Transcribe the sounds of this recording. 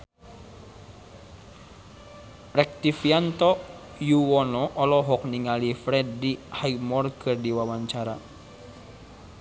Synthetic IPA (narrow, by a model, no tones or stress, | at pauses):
rɛk̚t̪ifiant̪ɔ | juwɔnɔʔɔlɔɦɔk̚niŋalifɾɛddihajmɔrkɨrdiwawaɲt͡ʃaɾa